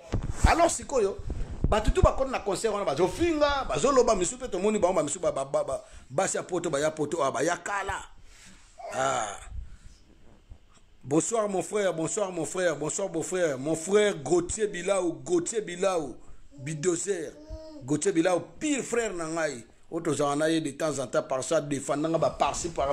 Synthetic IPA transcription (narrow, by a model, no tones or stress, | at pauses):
alɔʁsikojobatutubakotinakɔ̃sɛʁwanabazofiŋɡabazolobamisupetomɔnibaŋɡobamisubabaabasiapotobajapotooabajakala | a | bɔ̃swaʁmɔ̃fʁɛʁbɔ̃swaʁmɔ̃fʁɛʁbɔ̃swaʁbɔ̃fʁɛʁmɔ̃fʁɛʁɡotjebilauɡotebilau | bidozɛʁɡotiebilaupiʁfʁɛʁnaŋai | ot̬ozaŋanajedetãzãtapaʁsadefãndaŋɡabapaʁsipa